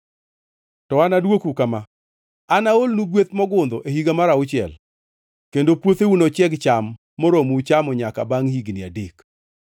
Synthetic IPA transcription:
tɔanadwokukama | anaolnuɡwet̪mɔɡʊnd̪ɔʔeɦiɡamaɾaʊt͡ʃɪɛ̰l | kendopwot̪eunot͡ʃjɛɡt͡ʃamː | oɾomut͡ʃamɔɲaka̰baŋhiɡnɪa̰dek

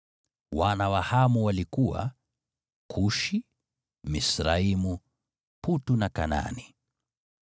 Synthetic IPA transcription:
wanawahamuwalikuwa̰ | kʰuʃi | misɾaimu | putunakana̰ni

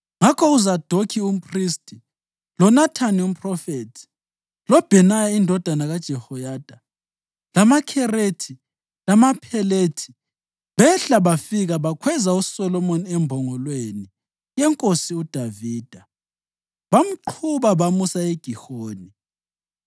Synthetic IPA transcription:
ŋakʰɔuzad̥ʱokʰium̩pʰʼristʼi | lɔnatʰanium̩pʼrɔfetʰi̥ | lɔb̥ʱɛnajaindʱɔd̥ʱanaɣad̥ʒ̥ʱɛhɔjad̥ʱa | lamakʰɛretʰi | lamapʰɛletʰi̥ | βɛɬaβafiɣaβakʰwɛzausɔlɔmoniɛmbʱɔŋɔlweni | jɛŋkʼosiud̥ʱaviːd̥ʱa | βam̩ǃʰuβaβamusaeɡ̥ʱihoːni

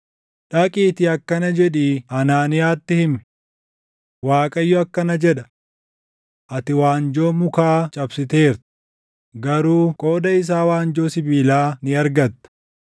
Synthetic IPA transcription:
ᶑɐkʼiːt̪ɪɐkːɐnɐd͡ʒɛᶑiːɐnaːnɪjaːt̪ːɪhɪmɛ̥ | waːkʼɐjːɔɐkːɐnɐd͡ʒɛᶑɐ̥ | ʔɐt̪ɪwaːnd͡ʒo̞ːmʊkaːt͡ʃʼɐbsɪt̪e̞ːɾt̪ | ɡɐɾuːkʼo̞ːd̪ɐɪs̬aːwaːnd͡ʒo̞ːsɪbiːlaːnɪɐɾɡɐt̪ːɐ̥

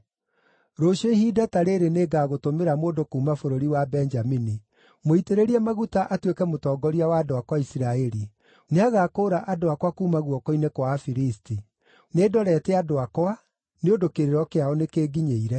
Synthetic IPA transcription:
ɾoʃoihidataɾeɾeneːɡaːɣotomeɾamoːndokuːmafoɾoɾiwabɛɲd͡ʒamini | moiteɾeɾiɛmaɣutaʔatwekɛmotɔːɡɔɾiawaːdoakwaisiɾaɛɾi | neaɣaːkoːɾaʔadoakwakuːmaɣwɔkɔinekwafiɾisti | neːdɔɾɛːtɛadoakwa | neodokeɾeɾɔkeaɔnekeːɡiɲeiɾɛ

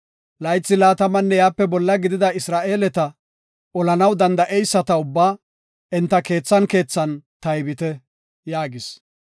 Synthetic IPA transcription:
lɐjt͡sːɪlaːt̪ɐmɐnːɛjaːpːɛbɔlːɐɡɪd̪ɪd̪ɐɪsɾaːʔe̞ːlɛt̪ɐ | ɔlɐnɐwd̪ɐnd̪ɐʔɛjsːɐt̪ɐʊbːaː | ɪnt̪ːɐke̞ːt͡sːɐnke̞ːt͡sːɐnt̪ɐjbɪt̪ɛ | jaːɡɪs

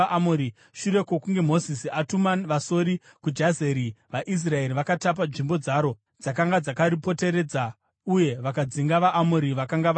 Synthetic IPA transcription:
ʔamoɾi | ʃuɾe̞kokuŋɡe̞mo̞zisiatumaʋaso̞ɾi | kud͡ʒazeɾiʋaʔis̬rae̞ɾiʋakatap̬aʐimbo̞d͡zaːɾo̞ | d͡zakaŋɡad͡zakaɾipo̞te̞ɾe̞d͡za | uje̞ʋakad͡ziŋɡaʋaʔamoɾiʋakaŋɡa

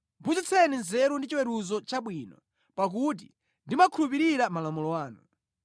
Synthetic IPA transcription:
but͡ʃit͡sʰɛninzɛɾundit͡ʃiwɛɾuzɔt͡ʃaɓwinɔ̰ | pak̬ut̬i | ndimakʰulupiɾiɾamalamulɔwaːnu

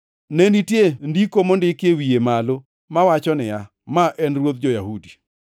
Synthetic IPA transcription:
nenitjendikomondɪkjewijemalo | mawat͡ʃɔnɪja | maʔɛnrwot̪̚d͡ʒojaɦudi̥

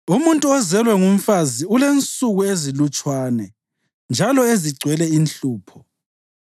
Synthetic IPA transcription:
umuntʼuɔzɛlwɛŋum̩faziulent͡sʼuɣuezilut͡ʃʼwaːnɛ | nd͡ʒʱalɔeziɡ͡ǀʱwɛlɛinɬuːpʰɔ

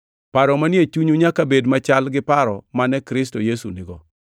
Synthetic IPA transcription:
paɾɔmanjet͡ʃuɲuɲakabedmat͡ʃalɡɪpaɾɔmanɛkɾɪs̬tojesunɪɡɔ

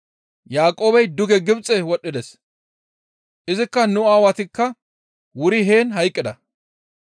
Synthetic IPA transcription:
jaːkʼo̞ːbɛjd̪ʊɡɛɡɪbt͡sʼɛwɔɗːɪd̪ɛs | ʔɪzɪkːɐnʊaːwɐt̪ɪkːɐ | wʊɾɪɦe̞ːnɦɐjkʼːɪd̪ɐ

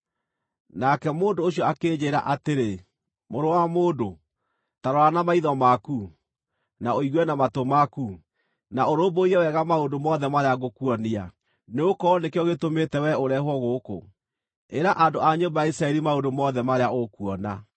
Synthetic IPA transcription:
nakɛmoːndoːɕjɔakeːd͡ʑeɾa̰ʔateɾe | moɾowamoːdo | taɾɔɾanamaiðɔmaku | naoiɣwɛnamatomaku | naoɾoboiɾɛwɛɣamaondomɔðɛmaɾeaɣokuɔnia | neokɔnekeɔɣetometɛwɛoɾɛɦwɔɣoːko̰ | eɾaʔandoʔaɲombajaisɾaɛɾimaondomɔðɛmaɾeaokuɔna

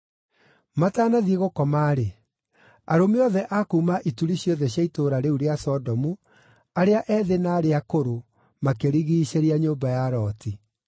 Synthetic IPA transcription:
mataːnaðieɣokɔmaːɾe | aɾomiɔðɛʔakuːmaʔituɾiɕjɔðɛɕjaitoːɾaɾeuɾeasɔdɔmu | aɾeaʔɛːðenaːɾeakoɾo | makeɾiɣiːɕeɾeaɲoːmbajaɾɔːti

